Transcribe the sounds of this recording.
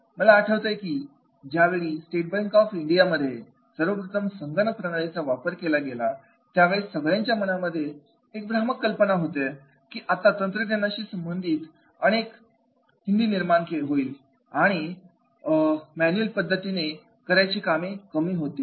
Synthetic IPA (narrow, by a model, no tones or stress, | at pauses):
məlaːʈʰəʋt̪əjekiː | d͡ʑjaʋeɭiːsʈeʈ̚baŋkɔfiɳɖijaməd̪ʱːje | səɾʋəpɾət̪ʰəmsəŋɡənəpɾəɳaɭet͡saʋapəɾkelaɡela | t̪jaʋeɭesəɡɭjãɲt͡ɕjamənaməd̪ʱːje | ek̚bɾaməkːəlpənaɦot̪e | kiːʔat̪at̪ənt̪ɾənenaɕiːsəmbənd̪ʱiːt̪ | əɽ̃ek | ɦind̪iːniɾmankeɦoiːl | aɽ̃i | mænulpəd̪ʱːət̪ine | kəɾjt͡ɕiːkamikəmiːɦot̪iː